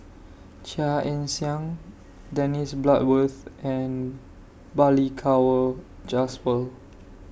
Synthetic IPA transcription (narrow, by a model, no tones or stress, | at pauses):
t͡ʃaʔɛ̃nsiãŋ | dɛnisblat̚wəθʔɛ̃n | balikʰawə | d͡ʒasfəl